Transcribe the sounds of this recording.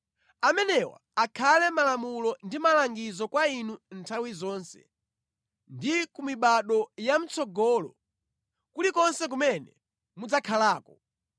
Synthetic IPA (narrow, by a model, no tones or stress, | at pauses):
amɛnɛwa̰akʰalɛmalamulɔndimalaŋɡizɔkwainuntʰawizɔːnsɛ̰ | ndikumiɓaɗɔjam̩t͡sɔɡɔːlɔ̰ | kulikɔnsɛk̬umɛnɛ | mud͡zakʰalaːkɔ